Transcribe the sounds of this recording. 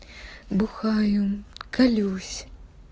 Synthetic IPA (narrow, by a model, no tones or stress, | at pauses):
buxajumkalʲuwsʲ